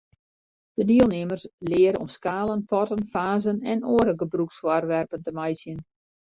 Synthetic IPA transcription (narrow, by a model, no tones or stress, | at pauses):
d̥ədiəlˠnɪmərslɪəɾəɔ̰mskaːlənpɔtənfaːzənɛnoəɾəɡəbrukswarʋɛrpəntəmajsjən